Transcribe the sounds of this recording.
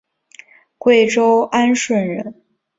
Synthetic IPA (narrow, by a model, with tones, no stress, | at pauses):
kwe˥˩ɪʈ͡ʂo˥ʊa˥nʂwə˥˩nɻə˧˥n